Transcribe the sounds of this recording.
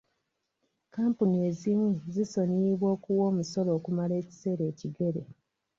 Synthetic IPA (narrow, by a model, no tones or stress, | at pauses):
kaːmpunie̞zimuziso̞ɲiβwoːkuwo̞ːmuso̞lo̞ːkumale̞ːci̥se̞ːɾe̞ːciɡe̞ɾe̞